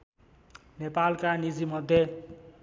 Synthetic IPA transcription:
nepalkanid͡zimʌd̪ʱje

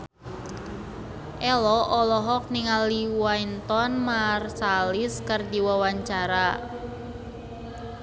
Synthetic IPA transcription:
ʔɛlɔʔɔlɔɦɔk̚niŋaliwajnt̪ɔnmarsalɪskərdiwawaɲt͡ʃaɾa

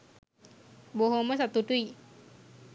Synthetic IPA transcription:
boɦoməs̬at̪udui

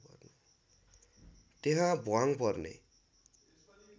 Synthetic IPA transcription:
pʌ̰rne | t̪eɦãboaŋpʌrnḛ

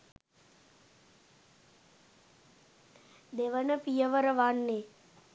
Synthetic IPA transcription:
d̪eʋənəpijəʋəɾəʋanːe

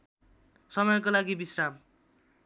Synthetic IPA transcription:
sʌmʌjʌkolaɡibisram

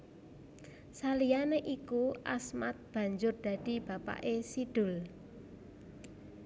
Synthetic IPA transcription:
salijaneʔikuʔa̰smat̪̚b̥ä̤ɲd͡ʒʊrd̪̥ä̤d̪̥i̤b̥a̤pa̰ʔesid̪̥ʊ̤l

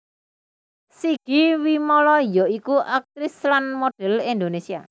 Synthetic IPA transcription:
siɡ̥i̤wimɔlɔjɔikuʔak̚t̪ɾɪslanmoɖ̥ɛ̤lind̪onesia̰

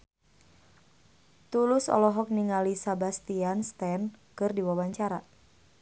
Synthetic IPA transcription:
t̪ulʊsɔ̰lɔɦɔk̚niŋalisabast̪ianst̪ɛnkɨrdiwawaɲt͡ʃaɾa

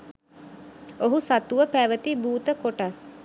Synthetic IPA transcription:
oɦusat̪uʋəpæʋət̪ibuːt̪əkoʈas

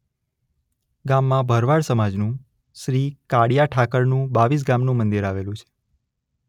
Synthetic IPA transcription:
ɡamːãbʱəɾʋaɭsəmad͡ʒnũ | ʃɾikaɽijaʈʰakəɾnũbaʋis̬ɡamnũmənd̪iɾaʋelũt͡ʃʰe̥

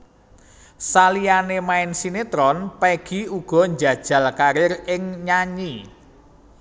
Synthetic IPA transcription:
salijanemaɪnsinet̪ɾɔnpɛɡ̥iuɡ̥ɔ̤ɲd͡ʒa̤d̥ʒ̥a̤lkaɾɪrɪŋɲaɲi

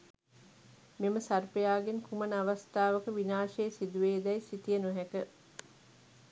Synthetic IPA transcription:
miməsarpejaːɡenkʰumɐnəaʋast̪aːʋəkəʋinaːʃeːsid̪uʋeːd̪ɛjsit̪ijənuɦækə

